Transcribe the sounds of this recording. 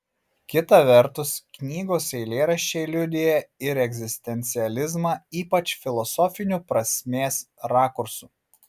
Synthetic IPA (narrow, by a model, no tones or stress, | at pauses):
kʲɪt̪ɐʋʲɛɾt̪ʊsknʲiːɡoːsɛɪlʲeːɾɐʃʲt͡ʃʲeːlʲʊd̪ʲɪjɛɪɾɛɡʲzʲɪsʲt̪ʲɛnʲt̪sʲɪɛlʲɪzmɐiːpɐt͡ʃfʲɪlˠɔsɔːfʲɪnʲupɾɐsʲmʲeːsɾɑːkʊɾsuː